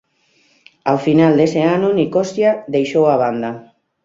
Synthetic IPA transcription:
awfinald̪eseanonikosjad̪ejʃowaβ̞and̪a

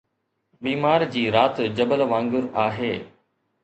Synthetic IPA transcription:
biːmaːɾd͡ʑiːɾaːt̪d͡ʑɐbəlʋãːŋɡʊɾaːɦeː

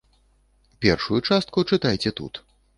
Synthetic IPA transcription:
pʲɛrʂujut͡ʂast̪kut͡ʂɨt̪ajt͡sʲɛt̪ṵt̪

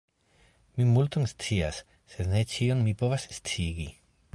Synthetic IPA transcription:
mimultonst͡siasː | e̞dne̞t͡ʃionmipo̞vasst͡siɡi

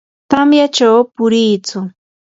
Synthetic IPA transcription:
t̪amjat͡ʃawpʊɾɪːt͡sʊ

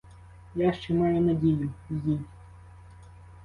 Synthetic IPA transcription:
jaʃt͡ʃɛmɑjʊnɐdʲijʊizʲi

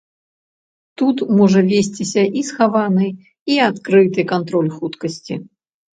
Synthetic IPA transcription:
t̪ut̪mɔʐɐvʲesʲt͡sʲisʲɐʔisxavanɨj | iat̪kɾɨt̪ɨkant̪ɾɔlʲxut̪kɐsʲt͡sʲḭ

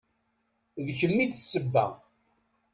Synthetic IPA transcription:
ðçəmːit͡ssːəbːæ̰

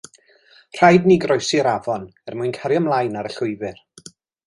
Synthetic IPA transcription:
r̥ajdniɡrɔjsiɾavɔnɛrmʊɨnkʰaɾjɔmlˠajnaɾəɬʊɨvɪr

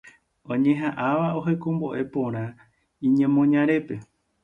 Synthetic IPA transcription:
õɲẽ̞ɦaʔaʋao̞ɦe̞kõ̞mbo̞ʔe̞põ̞ɾ̃ã | ĩɲẽ̞mõ̞ɲãɾe̞pe̞

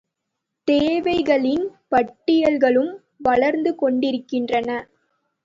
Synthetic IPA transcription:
t̪eːʋɐɪɣɐɭɪnpɐʈːɪjɐlɣɐɭɯm | ʋɐɭɐɾnd̪ɯkɔɳɖɪɾɯkːɪndrɐnɐ

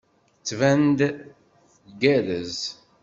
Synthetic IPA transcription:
ət͡sːvænd̪ | θɡæðəz

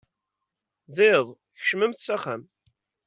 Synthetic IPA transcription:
ðeðˤ | çəʃməmθsæχæm

